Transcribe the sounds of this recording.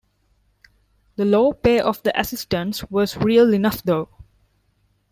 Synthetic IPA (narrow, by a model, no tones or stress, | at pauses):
d̪əloːpeːʔɔfd̪əʔəsɪsʈə̃nswɔzɹiəlinʌfd̪oː